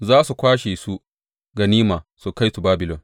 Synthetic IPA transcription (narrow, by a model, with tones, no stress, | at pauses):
zaː˦su˨kʷaː˦ʃeː˨su˦ | ɡɐ˨niː˦maː˨su˨ka˦jtu˨baː˦bɪ˨lɔ˨n